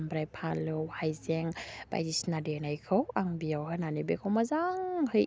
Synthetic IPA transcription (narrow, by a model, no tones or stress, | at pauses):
mbɾajpʰalɯwhajzɛŋba̰jdisnadenajkʰəwaŋbiawɦənanibekʰowmazaŋhɯj